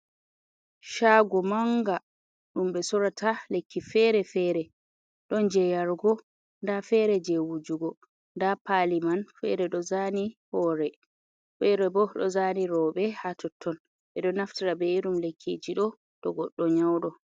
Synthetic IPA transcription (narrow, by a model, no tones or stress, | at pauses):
ʃaːɡɔmaŋɡa | ɗumɓɛsɔɾatʰalekʰːifɛɾɛfɛːɾɛ | ɗɔnd͡ʒɛjaɾɡɔ | ndafɛɾɛd͡ʒewud͡ʒuɡɔ | ndapalimanfɛ̰ɾɛɗɔzanihɔːɾɛ | fɛɾɛbɔɗɔ̰zaniɾɔɓɛhatʰɔtʰːɔn | ɓɛɗɔnaftiɾabɛɗumlekʰːḛd͡ʒiɗɔ | ɗɔɡɔɗːɔɲawɗɔ